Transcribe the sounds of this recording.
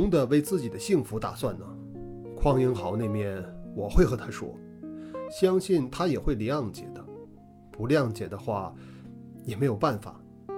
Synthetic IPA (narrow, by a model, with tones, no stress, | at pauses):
ŋd̪ə˨we˥˧ɪt͡sɹ̩˥˩t͡ɕi˨˩d̪ə˦ɕi˥˩ŋfu˧˥t̪a̰˨˩swa˥˩nnə˩ | kʰwɑ˥ŋji˥nxɑ˧˥ʊne˥˧ɪmjɛ˥˩nwɔ˨˩xwe˥˩ɪxɤ˧˥t̪ʰa˥ʂwɔ̰˥ | ɕjɑ˥ŋɕi˥˩nt̪ʰa˥jɛ˨˩xwe˥˩ɪli˧˥ɑ˥˩ŋt͡ɕjɛ̰˨˩d̪ə˦ | pu˧˥li˧ɑ˥˩ŋt͡ɕjɛ˨˩d̪ə˦xwa˥˩ | jɛ˨˩me˧˥ɪjo˨˩ʊpa˥˩nfa̰˨˩˦